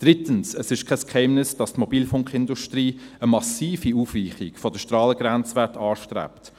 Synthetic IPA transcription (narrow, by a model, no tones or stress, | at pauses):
d̥ɾɪtənsəsɪʃkʰɛskhɛɪmnɪsd̥ɑstmɔbiːlfʊŋkχɪnduʃtɾiːəmɑsiːfiuːfʋiːχikfɔd̥əʃtɾɑːləɡɾænt͡sʋɛtɑːʃtɾæ̰pt